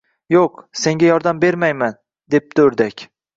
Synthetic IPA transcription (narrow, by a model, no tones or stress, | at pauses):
joqse̞ŋɡʲajɒɾd̪ambe̞ɾmajman | d̪e̞p̚d̪ɵɾd̪akʲ